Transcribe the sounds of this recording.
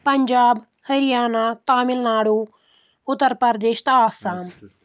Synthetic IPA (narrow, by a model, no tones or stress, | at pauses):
pɐɲd͡ʒaːb | hɐɾijaːnaːt̪aːmɪlnaːɽoː | ʊt̪ːəɾpəɾd̪eːʃt̪aːsaːn